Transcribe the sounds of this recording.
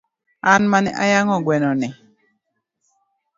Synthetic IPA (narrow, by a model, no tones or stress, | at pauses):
anmanɛ̰ʔa̰jaŋɔɡwɛnɔnɪ